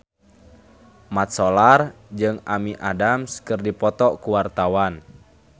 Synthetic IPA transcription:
mat̪̚sɔlard͡ʒɨŋamiʔadamskɨrdipɔt̪ɔkuwart̪awan

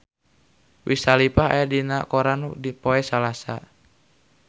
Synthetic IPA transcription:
wʔisalipaɦa̰jadinakɔɾandipoɛsalasa̰

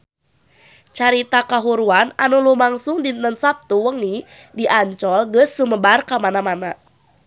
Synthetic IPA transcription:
t͡ʃaɾit̪akaɦuɾuananulumaŋsuŋdiənsap̚t̪uwəŋni | diʔaɲt͡ʃɔlɡəsːuməbarkamanamana

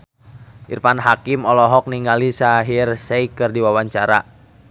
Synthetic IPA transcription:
ʔḭrfanɦakimɔlɔɦɔk̚niŋalisaɦirsɛikɨrdiwawaɲt͡ʃaɾa

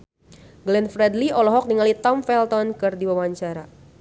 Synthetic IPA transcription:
ɡlɛnfɾɛdliɔlɔɦɔk̚niŋalit̪ɔmfɛlt̪ɔnkɨrdiwawaaɲt͡ʃaɾa

